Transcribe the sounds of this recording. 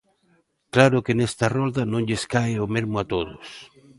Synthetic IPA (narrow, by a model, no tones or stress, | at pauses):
klaɾʊkenɛst̪ɐrɔld̪ɐnõŋʎeskaɪʊmeɾmʊat̪oðʊs